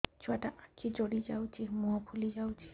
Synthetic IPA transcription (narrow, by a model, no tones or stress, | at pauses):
t͡ʃuaʈaʔakid͡ʒoɽid͡ʒawt͡ʃʰimuapʰulid͡ʒawt͡ʃʰi̥